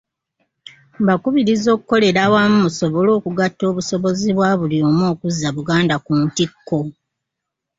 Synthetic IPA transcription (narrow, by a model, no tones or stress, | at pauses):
mbakuβiɾizo̞ːku̥ko̞le̞ɾawamumuso̞βo̞lo̞ːkuɡatːo̞ːβuso̞βo̞ziβwaβulioːmoːkuzːaβuɡaːndakuntikːo̞